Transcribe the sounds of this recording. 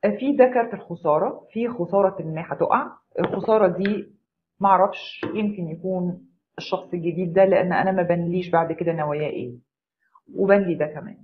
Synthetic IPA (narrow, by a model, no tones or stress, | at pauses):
fiːd̪ækɑɾˤt̪elxosˤɑːɾˤɑfiːxosˤɑːɾˤɑt̪emːiːħæt̪oʔaʕ | ʔelxosˤɑːɾˤɑd̪iː | mæʔɑʕɾˤɑfʃjemkenjækuːn | eʃːɑxsˤelɡed̪iːd̪̚ːæleʔænːʔæ̰næmæbænliːʃbaʕd̪ked̪ænæwæjæːʔḛː | webænlid̪ækæmæ̰ːn